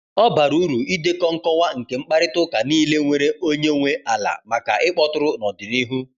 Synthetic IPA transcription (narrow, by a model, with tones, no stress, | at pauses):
ɔ˦ba˨ɾu˦ɾu˨i˦de˦kɔ˦ŋ̩˦kɔ˦wʷa˦ŋ̩˨ke˨ŋ͡m̩˦k͡pa˦ɾɪ˦tʊ˦ka˨niː˦le˦ŋʷe˨ɾe˦o˦ɲe˦ŋʷe˦a˨la̰˨ma˨ka̰˨ʔɪ˦k͡pɔ˦tʊ˦ɾʊ˦nɔ˨dɪ˨ni˦ɦu˦